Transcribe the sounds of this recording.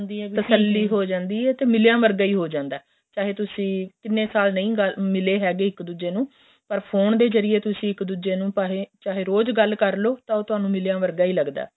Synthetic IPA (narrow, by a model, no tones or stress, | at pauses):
əsəlːiːɦoːd͡ʒãːnd̪iːɛːt̪eːmɪljãːʋəɾɡaːiːɦoːd͡ʒãːnd̪aː | t͡ʃaːɦeːt̪ʊsĩːkɪnːẽːsaːlnə̃ĩːɡəlmɪleːɦɛːɡeːɪkd̪uːd͡ʒeːnũː | pəɾpʰoːnd̪eːzəɾɪjeːt̪ʊsĩːɪkd̪uːd͡ʒeːnũːpaːɦeːt͡ʃaːɦeːɾoːd͡ʒɡəlkəɾloːt̪ãːoːt̪ʊɦaːnũːmɪljãːʋəɾɡaːiːləɡd̪a̰ːɛ